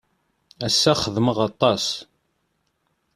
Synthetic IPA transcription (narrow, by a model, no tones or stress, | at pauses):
æsːæχəðməʁɑt̪ˤːɑs